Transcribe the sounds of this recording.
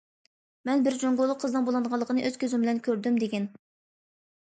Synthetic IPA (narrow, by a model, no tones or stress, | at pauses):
mɛnbɪɾd͡ʒoŋɡolˠːʊqʰːəzd̪ɨnbolˠɨnʁɑlˠːəqʰənɨʔøz̥kʲʰøzymbɪlɛnkʲʰøɾd̪ymd̪eɡʲɛn